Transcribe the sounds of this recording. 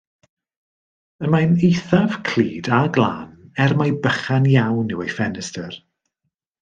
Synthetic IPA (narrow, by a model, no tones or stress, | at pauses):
əmajnejθav̥kʰl̥iːdaɡlˠa̰ːnɛrmajbəχanjawnːɪwejfɛnɪstər